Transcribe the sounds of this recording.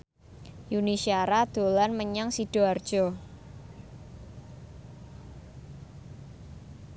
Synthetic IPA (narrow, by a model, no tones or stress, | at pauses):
junisiaɾad̪̥o̤lanməɲaŋsiɖ̥ɔ̤ard̥ʒ̥ɔ